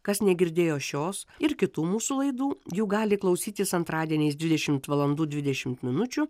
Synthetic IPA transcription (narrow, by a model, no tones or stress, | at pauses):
kɐsnʲɛɡʲɪɾʲd̪ʲeːjoːʃʲoːsɪɾkʲɪt̪uːmuːsulˠɐɪd̪uːjuːɡɑːlʲɪklˠɐʊsʲiːt̪ʲɪsɐnt̪ɾɑːd̪ʲiɛnʲɛɪsd̪ʲʋʲɪd̪ʲɛʃʲɪmt̪ʋɐlˠɐnd̪uːd̪ʲʋʲɪd̪ʲɛʃʲɪmt̪mʲɪnʊt͡ʃʲʊ